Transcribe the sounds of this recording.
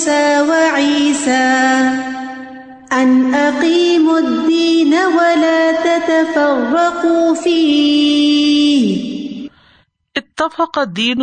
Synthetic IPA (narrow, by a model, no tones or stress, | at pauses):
saːwaʕiːsaː | ʔanʔɑqiːmʊd̪ːiːnawalaːt̪at̪afɑrˤːɑqufiː | h | ʔɪt̪ːɑfɑqɑd̪ːiːn